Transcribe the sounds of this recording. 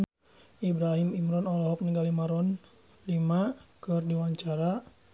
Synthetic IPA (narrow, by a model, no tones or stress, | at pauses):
ibɾaɦimimɾɔnɔlɔɦɔk̚niŋɡalimaɾɔn | limakɨrdiwaɲt͡ʃaɾa